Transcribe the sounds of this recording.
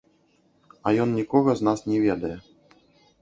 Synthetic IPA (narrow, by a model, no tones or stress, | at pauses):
ɐjɔnnʲikɔɣɐznasnʲɛvʲɛd̪ɐjɛ